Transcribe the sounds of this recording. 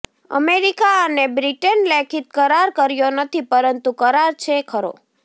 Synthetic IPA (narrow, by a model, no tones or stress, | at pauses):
ə̰meɾikaənebɾiʈənlekʰit̪̚kəɾaɾkəɾjonət̪ʰipəɾənt̪ukəɾaɾt͡ʃʰekʰəɾo̰